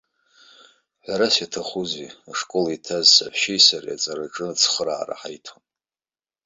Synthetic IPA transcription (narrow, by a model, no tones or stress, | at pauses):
ħʷᶣaɾasjatʰaχuziaʂkʼo̞litʰazsaħʃejsarja̰t͡sʼaɾaʈ͡ʂʼɨt͡sʰχəɾa̰ːra̰ħajtʰon